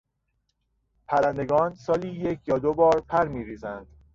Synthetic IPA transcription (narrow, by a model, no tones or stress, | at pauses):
pʰæɾænd̪e̞ɡɒːnsɒːliːjecʰjɒːd̪obɒːɾpʰæɾmiːɾiːzænd̪̥